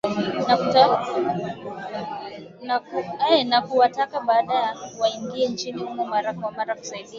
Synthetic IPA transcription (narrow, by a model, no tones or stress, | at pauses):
nakuta | nakuɛnakuwatakaɓaːɗajawaiŋɡiɛnt͡ʃiniumɛmaɾakwamaɾaku̥saiɗia